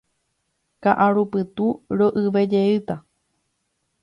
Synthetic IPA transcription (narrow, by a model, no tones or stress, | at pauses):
kaʔaɾupɨt̪uɾoʔɨʋed͡ʒeɨt̪a